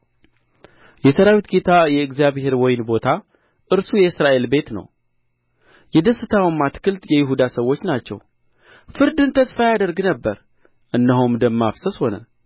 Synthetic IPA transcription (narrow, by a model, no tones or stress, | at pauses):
jɛsəɾawit̪ɡet̪ʰajɛɨɡzijaβhe̞ɾwɔjɪnbo̞t̪ʰa | ʔɨɾsujɛɨsɾaʔe̞lbe̞t̪nə̰w | jɛd̪əsːɨt̪ʰawmːat̪kʰɨlt̪jɛjɪɦud̪asəwːo̞t͡ʃːnat͡ʃːɛ̰w | fɨɾd̪ɨnt̪ʰəsfajad̪əɾɡnəbːəɾ | ʔɨnːəɦumd̪əmːafsəsho̞nə̰